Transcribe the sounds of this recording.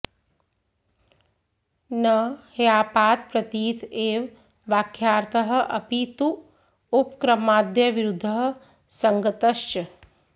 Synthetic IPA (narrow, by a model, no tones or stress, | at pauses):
nɐhjaːpaːt̪̚pɾɐt̪iːt̪ʰeːʋ | ʋaːkʰːjaːɾt̪ɐɦɐ̆ʔɐpit̪u | upkɾɐmaːd̪jɐʋiɾud̪ʱːɐɦɐ̆ | sɐŋɡɐt̪ɐʃt͡ʃɐ